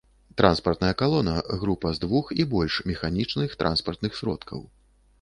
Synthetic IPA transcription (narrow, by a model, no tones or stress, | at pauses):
t̪ɾʔanspɐrt̪nɐjɐkalˠɔnɐɣɾupɐzd̪vuxibɔlʲʂmʲɛxanʲit͡ʂnɨxt̪ɾʔa̰nspɐrt̪nɨxsʲɾɔ̰t̪kʰɐ̰w